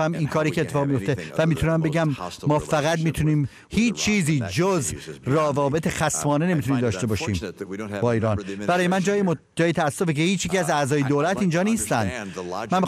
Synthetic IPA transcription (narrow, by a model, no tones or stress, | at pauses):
æmiːnkʰɒːɾiːcʰet̪ʰːe̥ɒːɣmijo̞ft̪e̞væmiːt̪ʰunæmbe̞ɟæmːɒːfæɣætd̪miːt̪ʰuniːm | hiːt͡ʃt͡ʃʰːiːziːd͡ʒozrɒːvɒːbe̞t̪ʰexæsmɒːnenemit̪ʰuniːmd̪ɒːʃt̪e̞bɒːʃiːmbɒːiːɾɒːnb̥æɾɒːjemænd͡ʒɒːjemo | d͡ʒɒːjet̪ʰæːsːo̞fecehiːt͡ʃʰjeiæzæzɒːjed̪oːlæt̪ind͡ʒɒːniːst̪ænd̪mænmi